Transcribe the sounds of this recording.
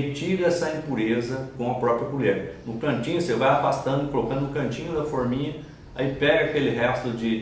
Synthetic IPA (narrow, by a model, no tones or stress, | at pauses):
t͡ʃivɪɛsɐĩpuɾezɐkõw̃ɐpɾɔpɾjɐkuʎɛɾnʊkɐ̃t͡ʃĩɲʊsevajafast̪ɐ̃nd̪ʊɪkolokɐ̃d̪ʊʊkɐ̃nt͡ʃĩɲʊd̪ɐfoɾmĩɲɐ | aipɛɡɐakelɪɦɛst̪ʊd͡ʒɪ